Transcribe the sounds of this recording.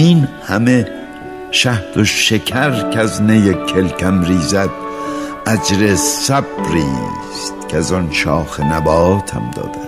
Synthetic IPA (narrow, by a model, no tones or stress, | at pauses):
inhæme | ʃæht̪oʃekʰæɾkʰæznejekʲʰelkʰæmɾiːzæd̪̚ | æd͡ʒɾesæb̥ɾḭː | st̪kʰeæzɒnʃɒːxenæbɒːt̪ʰæ̰md̪ɒ̰ːd̪æ̥